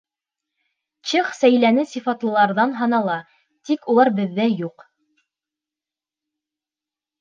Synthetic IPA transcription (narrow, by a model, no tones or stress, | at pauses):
t͡ɕɤχsæjlænɘsifɑt̪lˠɤ̆lˠɑɾðɑnɦɑnɑlˠɑ | t̪ikulˠɑɾbɘ̆ðːæjuq